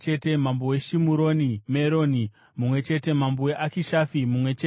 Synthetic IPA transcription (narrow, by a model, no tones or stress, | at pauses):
t͡ʃete̞mambowe̞ʃimuɾo̞nimeɾo̞ni | mumwe̞t͡ʃe̞te̞mamboweʔakiʃafimumwe̞t͡ʃe